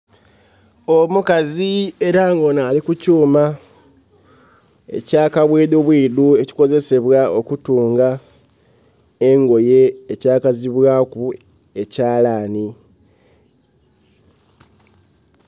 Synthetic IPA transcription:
omukazie̞ɾaːŋɡonaːlikucuːma | e̞̰caːkaβweːd̪oβwiːdue̞ci̥ko̞ze̞se̞βwaʔo̞kutuːŋɡa | eŋɡo̞je̞ːcaːkaziβwaːku | e̞caːlaːni

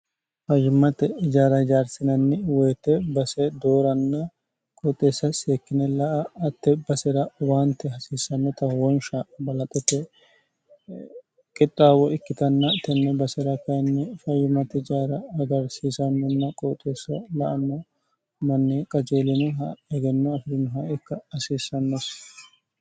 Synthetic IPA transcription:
fɐjɪmːɐt̪ɛɪd͡ʒaːɾɐɪd͡ʒaːɾsɪnɐnːɪwɔjt̪ːɛbɐsɛd̪oːɾɐnːɐ | kʼɔt̪ʼːeːsːɐseːkːɪnɛlɐʔɐːt̪ːɛbɐsɛɾɐwaːnt̪ːɛhɐsiːsɐnːɔt̪ɐwɔnʃabɐlɐt̪ʼɛt̪ːɛ | kʼɪt̪ʼːaːwɔɪkːɪt̪ɐnːɐt̪ɛnːɛbɐsɛɾɐkɐjnːɛfɐjʊmɐt̪ɪd͡ʒaːɾɐɐɡɐɾsiːsɐnːɔnːɐkʼoːt̪ʼːeːsːɐlɐʔɐnːɔ | mɐnːikʼɐd͡ʒeːlɪnɛɦɐɛɡɛnːɔɐfɪɾɪnʊɦɐɪkːɐhɐsiːsːɐnːɔs

